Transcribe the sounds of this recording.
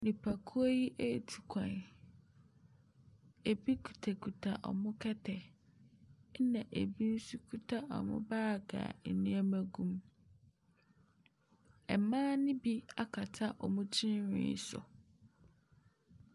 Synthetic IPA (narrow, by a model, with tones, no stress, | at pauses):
nĩ˨pʰa˨kʰu˦o˦ji˦ʔe˦˨tʰu̥˨kʷʰã˨n | e˨bi˦kʰu̥˨tʰa˨kʰu˨tʰa̰˨ʔɔ̰˨mʊ̃˦kʰɛ˦tʰɛ˨˦ | nã˨ʔe˨bi˦n̩˦su˦kʰu˦tʰa˦ʔɔ̰˨mʊ̰̃˦baː˦˨ɡa̰ː˨ɛ˨nũ˦æ˦mæ̃˨ɡũ˦m | ɛ˨mãː˦nɪ̃˦bi˦a˦kʰa˨tʰa˦ʔɔ˨mʊ̃˦t͡ɕʰɪ̃˦n˦ɾɪ̰̃˦sʊ̰˨